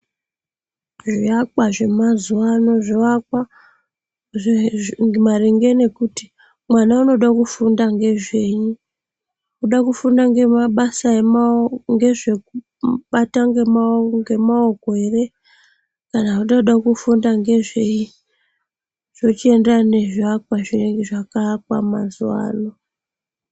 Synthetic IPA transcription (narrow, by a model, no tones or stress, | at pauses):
ʐiakaʐe̞mazuwano̞ʐiakwa | mariŋɡe̞ne̞kuti | mwanauno̞ɗakufundaŋɡe̞ʐe̞ɲu | uɗakufundaŋɡe̞maɓasaemaŋɡe̞ʐe̞ku | ɓataŋɡe̞maŋɡe̞maoɡʱwe̞re̞ | kanauɗauɗakufundaŋɡe̞ʐe̞i | ʐ̥o̞t͡ʃie̞ndane̞ʐakwaʐireŋɡeʐakakwa̰ma̰zuwa̰ːno